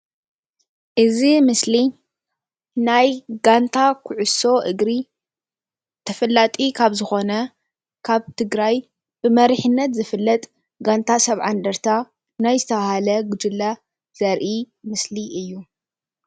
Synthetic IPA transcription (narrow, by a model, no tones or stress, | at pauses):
ʔɨzimɨsli | najɡant̪ʰakʰʊʕʊso̞ʔɨɡɾi | t̪ʰɐfɐlːat̪ʼikʰaβzɨxo̞nɐ | kʰaβt̪ʰɨɡɾaj | bɨmɐɾiħɨnːɐt̪zɨfɨlːɐt̪ʼ | ɡant̪ʰasɐβʕand̪ɐɾt̪ʰa | najzɨt̪ʰɐβahalɐɡɨd͡ʒɪlːa | z̥ɐɾʔi | mɨsliɨjːu